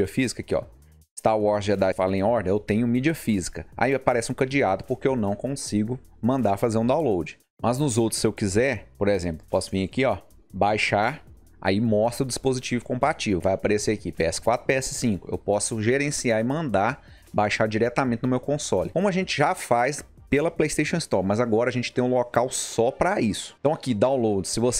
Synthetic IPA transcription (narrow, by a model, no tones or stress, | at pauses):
ɐfizikɐkɪɔ̰ | st̪aɾwɔɾzɛd̪afa̰lɐẽj̃ɔɾd̪ẽewt̪ẽɲʊmid͡ʒiɐfizikɐa̰iapaɾɛsɪũkɐ̃d͡ʒiad̪ʊpʊɾkeewnɐ̃w̃kõsiɡʊ | mɐ̃nd̪aɾfazeɾũd̪aw̃lowd͡ʒɪ | mɐznʊzowt̪ɾ̥ʊsːɪewkizɛɾpoɾezẽplʊpɔsʊvĩɐkiɔ | bajʃaɾ | a̰imɔst̪ɾɐʊd͡ʒispozit͡ʃivʊkõmpat͡ʃivewvajapaɾeseɐkipeɛsɪ̥kwat̪ɾʊpeɛsɪ̥sĩkʊḛwpɔsʊʒeɾẽsiaɾɪmɐ̃nd̪a | bajʃaɾd͡ʒiɾɛt̪amẽnt͡ʃɪnʊmewkõsɔlɪkõmʊɐʒẽt͡ʃɪʒafajs | pelɐplejst̪ejʃõɪst̪ɔpmɐzaɡɔɾɐʒẽt͡ʃɪ̥t̪ẽj̃lokawsɔpɾɐisʊ̥t̪ɐ̃w̃ɐkid̪aw̃lowd͡ʒɪsɪvos